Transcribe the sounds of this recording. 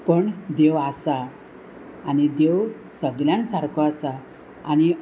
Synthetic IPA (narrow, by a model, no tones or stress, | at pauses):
pəɳd̪ewasaː | ñid̪ew | səɡljãŋksaɾkʰɔasa | añi